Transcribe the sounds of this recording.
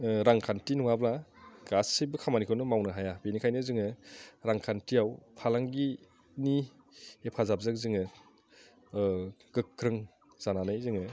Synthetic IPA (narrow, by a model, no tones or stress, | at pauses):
ɾaŋkʰantinuwablaɡ̥asːɯjbɯkʰamanikʰɯnɯmawnɯɦajabenikʰajnɯzɯŋɯɾaŋkʰantijawpʰalaŋɡi | ni | epʰazap̚zɯk̚zɯŋɯ | ɡ̥ɯkʰːɾɯŋ | z̥ananɯjzɯŋɯ